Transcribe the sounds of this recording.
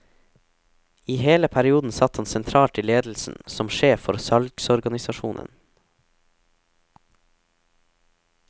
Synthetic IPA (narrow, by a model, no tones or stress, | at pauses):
iːheːləpʰæɾɪuːd̪n̩sɑt̪hɑnsɛnt̪ʰɾɑːlʈ̪ʰɪleːd̪l̩sn̩sɔmʃeːfɔɾsɑlksɔɾɡɑnɪsɑʃṵːnʔə̰n